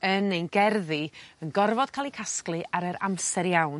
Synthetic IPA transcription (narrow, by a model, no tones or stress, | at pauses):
ənejnɡɛrðiənɡɔrvɔd̥kʰaːlˠikʰasklˠɨʔaɾəɾa̰msɛɾjawn